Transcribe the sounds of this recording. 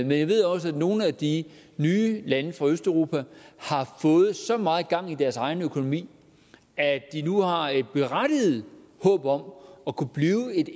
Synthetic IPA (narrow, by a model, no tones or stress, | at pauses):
menjɑɪʋe̝ð̞̰ˠɒ̽sæ̥no̝ːn̩æd̥i | nyːlænəfʁɑ̈øsd̥æʊʁo̝ːpʰæhɑ̈fɔ̽ːð̞̩ˠsɒ̽mɑ̈ːð̩ˠɡ̥ɑ̈ŋ̰id̥æɐsɑ̈ɪnəøkʰo̝no̝mḭː | æd̥inuhɑ̈e̝d̥̚b̥e̝ʁad̥ið̩ˠ | hɔ̰̽ːb̥ɒ̽m̰ɒ̽kʰub̥liːʊe̝d̥